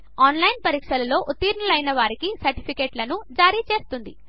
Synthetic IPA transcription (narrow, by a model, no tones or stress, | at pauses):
aːnlɐjnpɐɾiːkʂɐlɐlo̞ːʔut̪ːiːɾnɐlɐjnɐʋaːɾikisɐɾʈi̥pʰikeːʈlɐnud͡ʒaːɾiːt͡ʃe̞ːst̪und̪i